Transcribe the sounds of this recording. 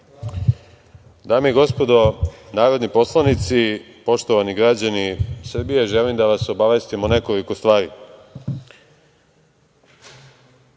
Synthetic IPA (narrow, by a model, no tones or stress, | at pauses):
d̪aːmeiɡo̞spo̞d̪o̞naːɾo̞d̪nipo̞slˠanit̪si | po̞ʃt̪o̞ʋaniɡɾad͡ʑanisr̩bijeʒelimd̪aʋaso̞baʋe̞st̪imone̞ko̞liko̞st̪ʋaːɾi